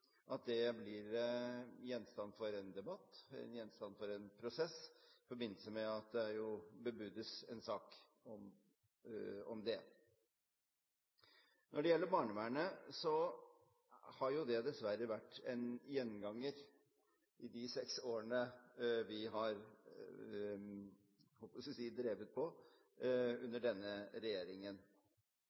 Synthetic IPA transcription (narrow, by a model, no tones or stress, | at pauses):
ʔɑt̪̚d̪ɛblɪɾ | jɛnːst̪ɑnːfɔɾɛnd̪ɛbɑt̪ːɛ̰njɛnst̪ɑnːfɔɾɛnpʰɾʊsɛsfɔɾbɪnːəsəmɛɑt̪̚d̪ɛæɾjʊbəbʉd̪əsɛnsɑːk | ɔm | ɔ̰md̪ɛ | nʔɔɖɛjɛlːəɾbɑːɳəmæɳəsɔ | hɑɾjʊd̪ɛd̪ɛsʋæɾːəʋæʈːɛnjɛnːɡɑŋːəɾ | ʔɪd̪ɪsɛksoːɾəɳəʋɪɦɑɾ | hɔlpəsʋɪsiːd̪ɾeːʋət̪̚pʰɔ | ʉnːəɖɛnːəɾɛjeːɾɪŋən